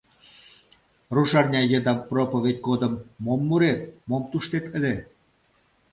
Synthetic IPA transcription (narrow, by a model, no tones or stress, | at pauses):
ruʃɑrnʲɑjəd̪ɑmpropŏβet̪ʲɡod̪ə̆mːomːuɾet̪momt̪uʃt̪et̪ə̆lʲe